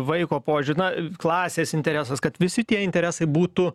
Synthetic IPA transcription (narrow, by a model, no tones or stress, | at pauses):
ʋɐɪkoːpoːʋʲeʒʲd͡ʒʲʊnɐklˠɑːsʲeːsɪnʲt̪ʲɛɾʲɛs̬ɐskɐt̪ʋʲɪsʲɪt̪ʲiɛɪnʲt̪ʲɛɾʲɛsɐɪbuːt̪ʊ